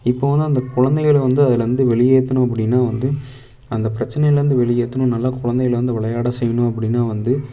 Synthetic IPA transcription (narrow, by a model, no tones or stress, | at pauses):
ɪpːoːʋɐnd̪ɯɐnd̪ɐkʊɻɐnd̪ɐɣɐɭʋɐnd̪ɯɐðɪlɐɾɯnd̪ɯʋɛɭɪjeːt̪ːɐɳʊ̃ɐpːɐɽɪnːaːʋɐnd̪ɯ | ɐnd̪ɐpɪɾɐt͡ʃːɐnɐjɐlɛɾɯnd̪ɯʋɛɭɪjeːt̪ːɐnʊ̃nɐlːaːkʊɻɐnd̪ɛɣɐɭʋɐnd̪ɯʋɪɭɐjaːɽɐsɛjːɐɳʊ̃ɐpːɐɽɪnːaːʋɐnd̪ɯ